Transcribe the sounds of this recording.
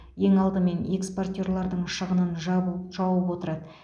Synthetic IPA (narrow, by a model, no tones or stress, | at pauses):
je̞ŋɑlˠd̪əme̞neksport̪ʲe̞ɾlˠɑɾd̪əɴʃəʁənənʒʒ̥ɑwəpwo̞t̪əɾɑd̪ə